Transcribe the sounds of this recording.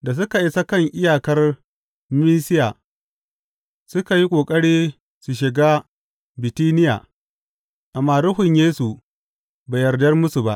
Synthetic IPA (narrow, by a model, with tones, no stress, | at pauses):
da˨s̬ʊ˦ka˨ʔi˦sɐ˦kɐ˦˨ŋʔɪ˦jaː˨kɐ˦r | miː˦sɪ˦jaː˨ | sʊ˦ka˨ji˦kʷʼoː˨kʼɐ˦ɽeː˦ | su˨ʃ̬ɪ˨ɡa˦ | bɪ˨tiː˦nɪ˦ja̰ː˨ | ʔa˨mːaː˦ɾʊ˦ɦʊ˨ɲjeː˦su˨ | baː˨jɐ˨rdɐ˦rmʊ˦su˨ba˦ʔ